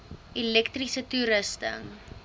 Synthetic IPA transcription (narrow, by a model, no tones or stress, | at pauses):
ilɛktrisətuɾəstə̰ŋ